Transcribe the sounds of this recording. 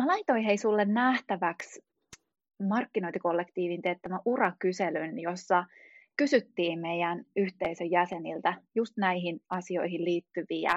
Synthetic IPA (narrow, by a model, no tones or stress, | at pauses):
melɑit̪o̞iɦeisulːennæht̪æʋæks | mɑrkːino̞int̪iko̞lːekt̪iːʋint̪et̪ːæʋæʔurɑkyselynjosːɑkysyt̪ːiːmmejænyht̪eisøjjæsenilt̪æjust̪næiɦinɑsio̞iɦilliːt̪ːyʋiæ̰